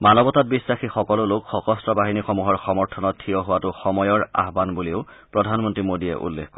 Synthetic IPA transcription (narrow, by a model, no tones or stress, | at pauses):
manɔbɔtat̚bisɹaxixɔkɔlʊlokxɔxɔstɹɔbaɦinixɔmuɦɔɹxɔmɔɹtʰɔnɔttʰiɔɦʊwatʊxɔmɔjɔɹa̰ɦbanbuliʊ | pɹɔdʱanmɔntɹimodijɛ̰ʔṵlːḛkkɔ